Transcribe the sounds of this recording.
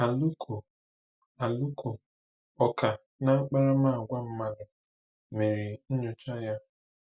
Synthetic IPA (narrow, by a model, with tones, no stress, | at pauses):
a˨lu˦kʰo˨ | a˨lu˦kʰo˨ | ɔ˨ka˨ | na˦a˦k͡pa˦ɾa˦ma˦˨ɡʷa˦m̩˦ma˦dʊ˨ | me˨ɾi˨n̩˦ɲo˨t͡ʃa˦ja˦